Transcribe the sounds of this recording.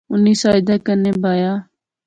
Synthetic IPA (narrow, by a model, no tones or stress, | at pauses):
ʊniːsaːɪd̪aːkəneːbʱaːjaː